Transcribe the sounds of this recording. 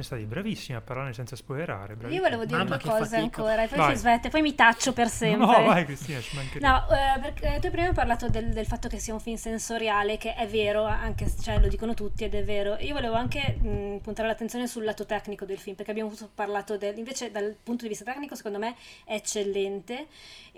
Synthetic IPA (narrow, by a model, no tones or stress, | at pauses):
ɛ̃st̪aːt̪ibɾavisːimiapːarlaɾnesɛnt̪saspoeɾa̰ːɾḛbɾaiovoleːvod̪iːɾet̪uekɔːzeaŋkoːɾaeppɔjsizvɛt̪ːepɔjmit̪at͡ʃːopersɛmɾvajkɾist̪iːnat͡ʃimaŋkenɔperkt̪ujpɾimaɔparlaːt̪od̪eld̪elfat̪ːokesːiauɱfimsensoɾjaːlekeʔɛvːeːɾoaŋkest͡ʃoɛlod̪iːkonot̪ut̪ːiɛd̪ɛvːeːɾoʔiːovoleːvoaŋkepunt̪aɾelat̪ːent̪sjoːnesulːaːt̪ot̪ɛknikod̪elfilmpeɾrkeabjamouparlaːt̪od̪eliɱveːt͡ʃed̪alpunt̪od̪ivist̪at̪ɛknikose̥kond̪omeɛɛt͡ʃːelːɛnt̪e